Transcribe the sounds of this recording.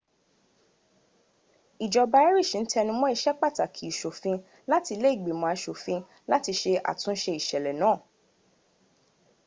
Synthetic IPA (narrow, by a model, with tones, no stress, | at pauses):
i˨d͡ʒɔ˨ba˧ɛ˦ɾi˦˨ʃi˨n̩˦tɛ˧nĩ˧mɔ̃˦i˦˧ʃɛ˦k͡pa˦˨ta˨kʰi˨i˦˨ʃo˨fĩ˧ | la˦ti˧le˦i˦˨ɡ͡bi˨mɔ̃˧˨a˧ʃo˨fĩ˧ | la˦ti˧ʃe˧ʔa̰˨tũ˨˦ʃe˧i˨ʃɛ˨lɛ˨nãː˦˨